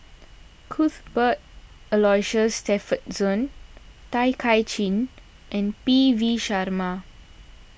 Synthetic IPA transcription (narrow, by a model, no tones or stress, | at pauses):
kʰutbət̚ | əlɔjʃəstɛfət̚sɔ̃ntajkʰajt͡ʃĩn | ʔɛ̃npiviʃaɾma